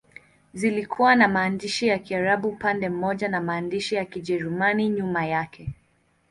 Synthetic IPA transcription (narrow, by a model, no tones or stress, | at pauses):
zilikʰuwanamaːndiʃijakiaɾaɓupandɛm̩mɔʄanamaːndiʃijakiʄɛɾumaniɲumajakʰɛ